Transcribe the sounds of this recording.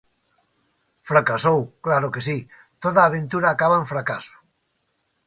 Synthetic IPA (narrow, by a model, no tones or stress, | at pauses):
fɾakasowklaɾokesi | t̪oðaːβ̞ẽnt̪uɾaːkaβaẽɱfɾakasu̥